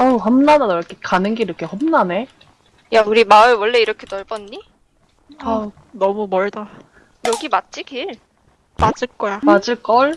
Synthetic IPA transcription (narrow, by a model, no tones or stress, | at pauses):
ʌɦʌmnanadoɾʌkʰekanɯnɡeiɾʌkʰehʌmnane | jauɾimaɯɭwʌɭːe̞iɾʌkʰe̞tʌɭbʌnːi | a | nʌmumʌɭda | jʌɡimat̚t͡ɕ͈iɡiɭ | mad͡ʑɯɭk͈ʌjamad͡ʑɯɭk͈ʌɭ